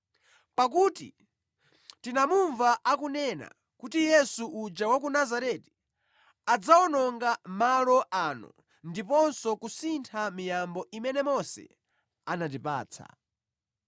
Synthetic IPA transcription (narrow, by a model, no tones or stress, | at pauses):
pak̬uːtḭ | tinamuɱvaʔakunɛna̰ | kutijɛsuʔud͡ʒawak̬unazaɾɛti̥ | ad͡zawɔnɔŋɡamalɔʔaːnɔ̰ | ndipɔnsɔkusintʰamijambɔimɛnɛmɔsɛ̰ | anat̬ipa̰ːt͡sʰa̰